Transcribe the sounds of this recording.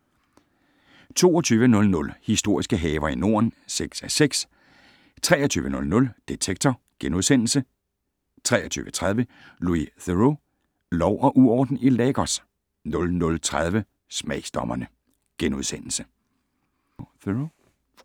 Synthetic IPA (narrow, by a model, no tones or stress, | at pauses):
t͡sʰo̝ːɒt͡sʰyːʋənɔ̽lnɔ̽lhisd̥o̝ɐ̰isɡ̥əɦɛːʊɐino̝̰ɐnseɡ̥sæseɡ̥s | t͡sʰʁɛːɐt͡sʰy̰ːʋənɔ̽lnɔ̽ld̥et͡sʰeɡ̥̚t͡sʰɒ | ɡ̥enuðˠsen̰l̩sə | t͡sʰʁɛːɐt͡sʰy̰ːʋət͡sʰʁað̞ˠʋə | luiθøʁo | lɒʊʔɒ̽ʔuɒːd̥n̩ileːɡ̥ɒs | nɔ̽lnɔ̽lt͡sʰʁað̞ˠʋə | smɛɪ̰sd̥ɒmɐnə | ɡ̥enuð̞ˠsen̰l̩sə | θo